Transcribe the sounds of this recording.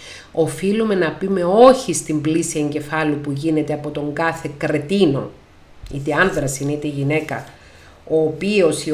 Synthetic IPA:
o̞filume̞nɐpime̞o̞çist̪imblisieɲɟe̞fɐlupuʝine̞t̪e̞ɐpo̞t̪o̞ŋɡɐθe̞kɾe̞t̪ino̞̰ | it̪e̞ɐnðɾɐsinit̪eʝine̞kɐ̰ | o̞ːpio̞si

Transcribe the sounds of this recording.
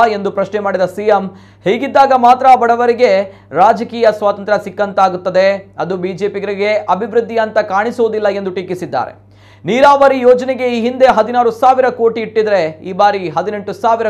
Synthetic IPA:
e̞nd̪upɾɐʃnemaːɽid̪ɐsiːjem | heːɡid̪ːaːɡɐmaːt̪ɾɐːbɐɽɐʋɐɾiɡe̞ | ɾaːd͡ʒɐkiːjɐsʋaːt̪ɐnt̪ɾɐsikːɐnt̪aːɡut̪ːɐd̪eɐd̪ubiːd͡ʒe̞ːpiɡɐɾiɡe̞ʔɐbʱiʋɾud̪ʱːijɐnt̪ɐkaːɳisuʋːd̪ilːɐe̞nd̪uʈikisid̪ːa̰ːɾe̞̰ | niːɾaːʋɐɾijoːd͡ʒɐneɡe̞iːɦind̪e̞ɦɐd̪inaːɾusaːʋiɾɐko̞ːʈiːʈːid̪ɐɾe̞iːbaːɾiɦɐd̪ine̞ɳʈusaːʋiɾɐ

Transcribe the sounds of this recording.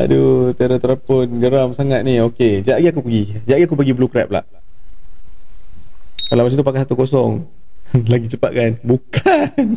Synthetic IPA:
a̰dut̪iaɾət̪əɾapʊnɡəɾamsaŋat̪̚nioked͡ʒaʔɡiakupəɡid͡ʒaʔɡiakupəɡiblukɾɛ̰p̚la̰ʔ | kalawmasit̪up̬akasat̪ukos̬ɔŋ | laɡit͡ʃəpa̰ʔ̚kanbukʰan

